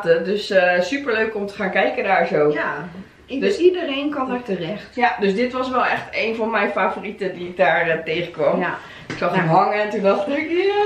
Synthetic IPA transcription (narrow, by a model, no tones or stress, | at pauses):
tədøssypəɹløːkomtə̥χaːnkɛjkədaːɹzoː | dsidəreːnkɔətərɛxtdøsdɪtʋɔsʋɛlˠɛxteːnfɔnmɛjfaːforitədiɪk̚daːɹəteːxəkʋɔm | ɪksɔxəmɦɔŋəɛntudɔxtikja